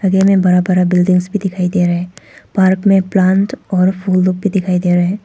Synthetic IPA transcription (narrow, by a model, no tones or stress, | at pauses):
ɐɡemẽbɐɾabəɾabɪlɖɪ̃ŋɡsbʱid̪ɪkʰaːid̪eːɾəɦɛ̃paːɾkmẽplãːnʈɔːɾfuːlːoːɡ̚bʱid̪ɪkʰaːid̪eːɾəɦɛ̃ː